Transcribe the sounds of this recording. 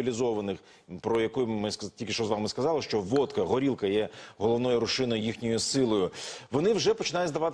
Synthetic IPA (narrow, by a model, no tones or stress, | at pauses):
ilʲizɔʋɐnɪx | pɾɔjɐkujmɪstʲilʲkʲɪʃt͡ʃɔzʋɑmɪskɐzɑlˠɪʃt͡ʃɔʋɔt̪kɐɦɔɾʲilˠkɐjɛɦɔlˠɔʋnɔjʊɾʊʃɪnɔjʊjixnʲɔjʊsɪlˠɔjʊʋɔnɪwʒɛpɔt͡ʃɪnɑjʊt̪ʲzd̪ɐʋɑt̪